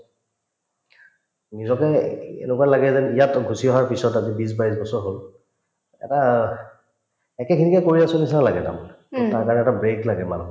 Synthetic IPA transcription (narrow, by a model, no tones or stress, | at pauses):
nizɔkɛḛnʊkwalaɡɛzɛnijatɡʱusiɔɦaɹpisɔtazibis̬bais̬bɔsɔɹɦol | ɛ̰ta | ɛkɛkʰinikakoɹiasonisalaɡɛta̰m | taɹkaɹɔnɛɛtabɹeklaɡɛmanu